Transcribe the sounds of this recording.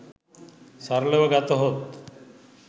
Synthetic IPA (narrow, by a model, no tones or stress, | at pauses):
saɾleʋɐɡat̪oɦot̪